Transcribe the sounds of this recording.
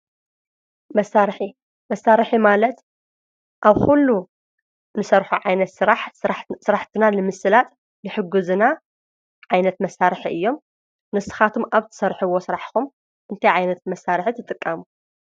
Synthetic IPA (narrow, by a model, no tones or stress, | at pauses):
mɐsːaɾħi | mɐsːaɾɨħimalɐt̪ | ʔaβxulːu | nɨsɐɾħuʕajnɐt̪ɨaħsɨɾaħt̪ʰɨnalɨmɨsɨlat̪ʼ | nɨħɨɡuzɨna | ʕajnɐt̪mɐsaɾħiʔɨjːo̞m | nɨsɨ̥xat̪ʰumʔaβt̪ʰɨ̥sɐɾħɨwo̞sɨɾaħkum | ʔɨnt̪ʰajʕajnɐt̪̚mɐsːaɾħit̪ʰɨt̪ʼɨkʼːamu